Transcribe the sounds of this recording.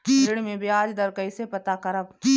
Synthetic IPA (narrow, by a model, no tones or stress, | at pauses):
kiɪɽmẽbʱiaːd͡ʒd̪ɐɾkəisepɐt̪akɐɾəb